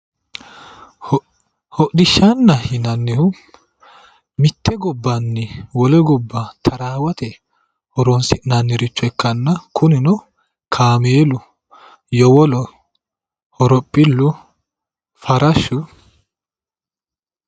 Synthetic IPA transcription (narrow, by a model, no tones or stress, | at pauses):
hɔʔɗɪʃːanːɐhɪnɐnːɪhʊ | mɪt̪ːɛɡɔbːɐnːɪwɔlɛɡɔbːɐt̪ʰɐɾaːwɐt̪ɛ | hɔɾonsɪnɐnːɪɾɪt͡ʃːʊɛkːɐnːɐkʰʊnɪnɔ | kʰaːmeːlʊ | jɔwɔlɔ | hɔɾɔpʼːɪlːʊ | fɐɾɐʃːʊ